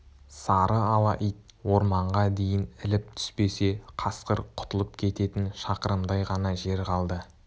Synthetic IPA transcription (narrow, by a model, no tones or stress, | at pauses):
sɑɾəɑlˠɑʔijt̪̚ | wo̞ɾmɑɴʁɑd̪e̞jɪnɪlɪp̚t̪ʰʏ̥spe̞se̞qʰɑsqəɾqʰʊ̥t̪əlˠəp̚kʲʰe̞t̪e̞t̪ɪnʃɑqəɾəmd̪ɑjʁɑnɑʒe̞ɾqʰɑlˠd̪ə